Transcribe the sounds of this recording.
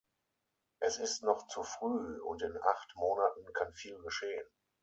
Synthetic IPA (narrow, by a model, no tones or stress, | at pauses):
ʔɛsɪstnɔχt͡sufʁ̥yːʊ̰ntɪnʔa̰χtmoːnatn̩kʰanfiːlɡəʃeːən